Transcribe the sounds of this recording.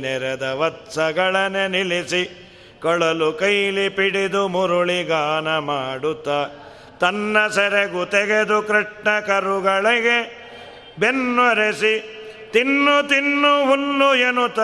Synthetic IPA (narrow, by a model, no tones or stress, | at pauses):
nɛɾɐd̪ɐʋɐt̪sɐɡɐɭɐnenilisi | kɔɭɐlukɐjlipiɽid̪umuɾuɭiɡaːnɐmaːɽut̪ːɐ | t̪ɐnːɐsɐɾeɡut̪ɛɡed̪ukɾɐʈɳɐkɐɾuɡɐɭeɡe | benːʋɐɾesi | t̪inːut̪inːuɦulːuenut̪ːa